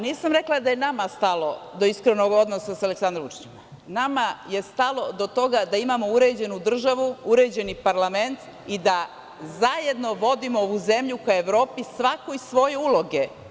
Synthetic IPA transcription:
niːsamɾe̞klˠad̪aje̞namast̪alo̞d̪o̞iskɾeno̞ɡo̞d̪nosasale̞ksand̪ɾoʋut͡ʃi̥t͡ɕema | namaje̞st̪alˠo̞d̪o̞t̪o̞ɡad̪aimamo̞uɾe̞d͡ʑe̞nud̪r̩ʒaʋuuɾe̞d͡ʑe̞nipaɾlame̞nt̪ | id̪a | zaje̞d̪no̞ʋo̞d̪imooʋuze̞mʎukae̞ʋɾo̞ːpisʋako̞isʋo̞jeulo̞ɡe̞

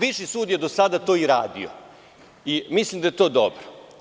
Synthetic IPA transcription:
ʋiʃisuːd̪jed̪o̞sad̪at̪o̞ːiɾa̰ːd̪ḭo̰ | imislˠimd̪ajet̪o̞ːd̪obɾo

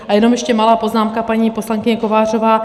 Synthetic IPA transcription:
ʔajɛnomjɛʃcɛmalaːpo̞znaːmkapaɲiːpo̞slaŋkɪɲɛko̞vaːr̝o̞vaː

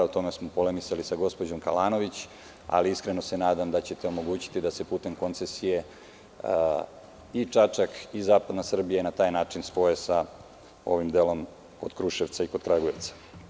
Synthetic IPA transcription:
ut̪o̞me̞smopo̞lemisalisaɡo̞spo̞d͡ʑo̞mkalaːno̞ʋit͡ɕ | a̰liiskɾe̞no̞se̞naːd̪amd̪at͡ɕe̞t̪eo̞mo̞ɡuːt͡ɕi̥t̪id̪ase̞puːt̪e̞mko̞nt̪sesije̞ | it͡ʂat͡ʂakizaːpad̪nasr̩bijenat̪aːjnaːt͡ʂinspo̞esa | o̞̰ʋimd̪eːlo̞m | ko̞d̪̥kɾuʃeʋt̪saiko̞d̪kɾaɡojeʋt̪sḁ

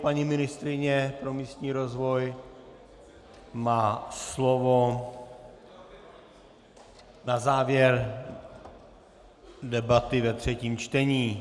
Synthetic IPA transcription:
paɲimɪnɪst̪ɾɪɲɛpɾo̞miːst̪ɲiːɾo̞zvo̞j | maːslovo̞ | nazaːvjɛɾ | dɛbat̪ɪvɛt̪r̝̥ɛciːmt͡ʃt̪ɛɲiː

